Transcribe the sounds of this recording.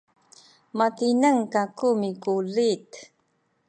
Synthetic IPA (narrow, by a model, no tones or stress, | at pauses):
mat̪inəŋkakumikulit̪